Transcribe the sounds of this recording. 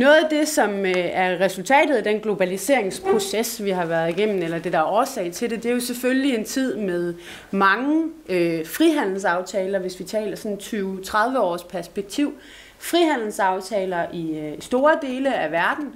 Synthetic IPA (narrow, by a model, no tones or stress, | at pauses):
nɔ̽ːð̩ˠæd̥e̝sɒ̽mæɐʁɛsult͡sʰɛ̰ːd̥ð̩ˠæd̥enɡ̥lo̝b̥ælise̝ɐ̰e̝ŋspʰʁo̝sesʋiɦɑ̈ʋæɐðˠiɡ̥en̰n̩elɐd̥e̝d̥ɑ̈æɒːsɛ̰ɪt͡sʰe̝d̥e̝d̥e̝æɐjo̝seføllie̝nt͡sʰið̞̰ˠmeðˠ | mɑ̈ŋəøfʁiɦæn̰l̩sɑ̈ʊt͡sʰɛːlɐʋe̝sʋit͡sʰɛ̰ːlɐsɒ̽nt͡sʰyːʊt͡sʰʁɑð̞ˠʋəɒ̰ːspʰæɐsb̥eɡ̥̚t͡sʰiʊ̰ | fʁiɦæn̰l̩sɑ̈ʊt͡sʰɛːlɐʔisd̥o̝ːɐd̥e̝ːləæʋæɐd̥n̩